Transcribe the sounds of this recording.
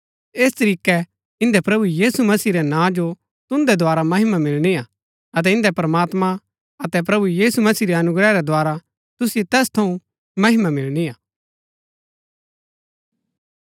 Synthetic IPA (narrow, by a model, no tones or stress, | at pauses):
eːst̪ɐɾiːkɛ | ɪ̃nd̪ɛpɾɐbujiːsumɐsiːɾɛnãːd͡ʒo | t̪ʊ̃nd̪ɛd̪ʱoaːɾamɐɦɪmamɪlñia | ɐt̪̬ɛɪ̃nd̪ɛpɾɐmaːt̪mã | ɐt̪ɛp̬ɾɐbujiːsumɐsiːɾiɐnʊɡɾɛɾɛd̪ʱwaːɾa | t̪ʊsjet̪ɛːst̪ʰɐũ | mɐɦɪmamɪlɽiaː